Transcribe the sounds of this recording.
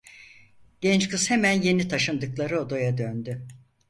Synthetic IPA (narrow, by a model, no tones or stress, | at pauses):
ɟ̥ɛnt͡ʃkʰɯz̥hemænje̞nit̪ʰaʃɯnd̪ɯklˠaɾɯo̞d̪ajad̪ønd̪y